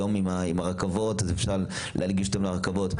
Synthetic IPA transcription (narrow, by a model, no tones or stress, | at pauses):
omimaimaʁakavo̞tazefʃaʁ | lʔḛalɡiʃot̪amlaʁakavo̞t